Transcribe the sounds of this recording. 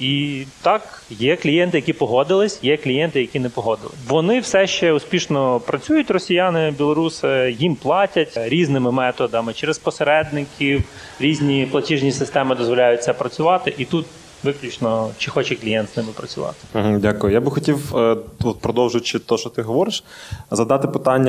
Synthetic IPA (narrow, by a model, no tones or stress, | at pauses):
it̪ɑkjɛklʲijɛnt̪ɪjɐkʲipɔɦɔd̪ɪlˠɪsʲjɛklʲijɛnt̪ɪjɐkʲinɛpɔɦɔd̪ɪ̰lˠɪʋɔnɪwsɛʃt͡ʃɛʊspʲiʃnɔpɾɐt͡sʲujʊtʲrɔsʲijɑnɪbʲilˠɔɾusɪjimplˠɑtʲɐtʲɾʲiznɪmɪmɛt̪ɔd̪ɐmɪt͡ʃɛɾespɔseɾɛd̪̚nɪkʲiw | ɾʲizʲnʲiplˠɐtʲiʒnʲisɪst̪ɛmɪd̪ɔzʋɔlʲajʊt̚ʲt͡sʲːɐpɾɐt͡sʲʊʋɑt̪ɪʔit̪ut̪ | ʋɪklʲʊt͡ʃnɔt͡ʃɪxɔt͡ʃɛklʲijɛnt̪snɪmɪpɾɐt͡sʲʊʋɑ̰t̪ɪ̥m̩ɦ̩dʲakʊjʊjabɪxɔtʲiwɔt̪̚pɾɔd̪ɔwʒʊt͡ʃɪt̪ɔʃt͡ʃɔt̪ɪɦɔʋɔɾɪʃzɐd̪ɑt̪ɪpɪt̪ɑnʲːɐ